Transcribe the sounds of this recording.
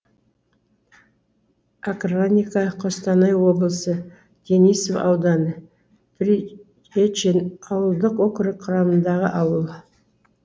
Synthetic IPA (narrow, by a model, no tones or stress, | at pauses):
akronʲikɑqʰost̪ɑnɑjwo̞blˠəsə | d̪̥ʲenisofɑ̰wd̪ɑnə | pɾi | et͡ʃenɑwəlˠd̪əqokʲɪɾɪqʰʊɾɑmənd̪ɑʁə̰ʔɑwəlˠ